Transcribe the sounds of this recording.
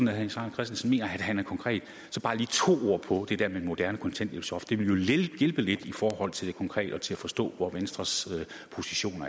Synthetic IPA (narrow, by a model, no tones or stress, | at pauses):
n̩æhænsɑ̈ːkʰʁɛsd̥n̩sɒ̽me̝̰ːnɐæd̥ɦænæɐkʰɒ̽ŋkʰʁɛ̰ːd̥ | sɒ̽b̥ɑ̈ːliːt͡sʰo̝̰ːo̝ɐ̰pʰɒ̽d̥e̝d̥ɛɐ̰memo̝d̥æɐnəkʰɒ̽nt͡sʰen̰d̥eb̥sɒfd̥e̝ʋeljo̝eɡ̥elb̥əle̝d̥ifɒːhɒ̽l̰t͡sʰe̝ld̥ekʰɒ̽ŋkʰʁɛ̰ːd̥ɒ̽t͡sʰe̝læfɒ̽sd̥ɔ̰̽ːʋɒʋensd̥ʁɐsø | pʰo̝siɕo̝̰ːnɐ